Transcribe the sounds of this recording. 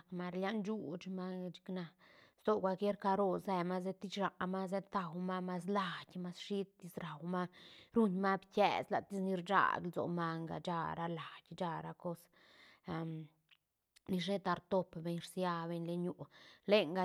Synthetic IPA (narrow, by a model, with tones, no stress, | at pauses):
kma˧ɾlja˦nd͡ʒu˦t͡ʃma˦t͡ʃi̥˧kna˧st̪o˦kʷa˧kje˦ɾka˧ɾo˧ze˧ma˦z̬e˧t̪i˦t͡ʃɾa˨ma˦z̬e˦t̪a˨wma˦ma˧s̬la˨dʲma˧sʃi˦t̪t̪i˧˦sɾa˨wma˦ɾu˦ɲma˦bkḛ˨sla̰˨t̪i˦sni˧ɾd͡ʒa̰˦˨ɡlzo̰˨ma˧ŋɡa̰˧d͡ʒa˧ɾa˧la˨j̥ʲd͡ʒa˧ɾa˧ko˦s | ni˧ʂ̬e˦t̪a˧ɾt̪o˦pbe˧ɲɾsja˧be˧ɲle˧ɲu˨le˦ŋɡa˧